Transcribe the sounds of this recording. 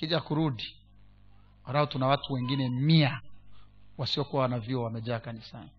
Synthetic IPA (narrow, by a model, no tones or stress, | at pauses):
kiʄakuɾuɗi | walahɔtunawatuwɛŋɡinɛmia | wasiɔkuwawnaviɔwamɛʄaːkanisa̰n